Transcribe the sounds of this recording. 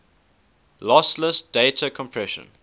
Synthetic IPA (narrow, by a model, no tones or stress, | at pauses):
lɔsləsd̥eɪtʰəkʰɔ̃mpʰɹɛʃə̰̃n